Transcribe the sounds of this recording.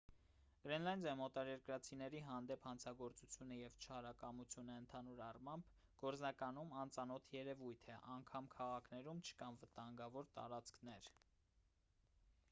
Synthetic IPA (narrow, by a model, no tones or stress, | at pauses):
ɡ̥ɾɛnlɑjnd̪ɑmɔt̪ɑɾɛɾkɾɑt͡sʰinɛɾiɦɑnd̪ɛphɑnt͡sʰɑɡɔɾt͡sut͡sʰjunəjɛvt͡ʃʰɑɾɑkɑmut͡sʰjunəənt̪ʰɑnuɾɑrmɑmb | ɡ̥ɔɾt͡snɑkɑnumɑnt͡sɑnɔt̪ʰjɛɾɛvujt̪ʰɛʔɑŋkʰɑmkʰɑʁɑkʰnɛɾumt͡ʃʰə̥kɑnvət̪ɑŋɡɑvɔɾt̪ɑ̰ɾɑt͡skʰnɛɾ